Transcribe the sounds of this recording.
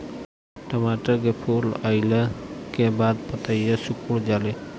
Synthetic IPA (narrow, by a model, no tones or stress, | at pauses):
ʈəmaʈəɾkepʰula̰ɪləkebaːd̪̚pət̪əjjəsukuɽd͡ʒaːle